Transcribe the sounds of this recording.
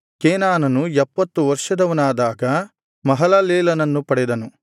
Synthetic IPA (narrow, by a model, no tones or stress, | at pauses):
keːnaːnɐnuɛpːɐt̪ːuʋɐɾʂɐd̪ɐʋɐnaːd̪aːɡɐ | mɐɦɐlɐleːlɐnɐnːupɐɽɛd̪ɐnu